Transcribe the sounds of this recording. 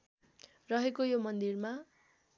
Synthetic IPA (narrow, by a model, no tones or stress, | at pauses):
rʌɦekojomʌnd̪irma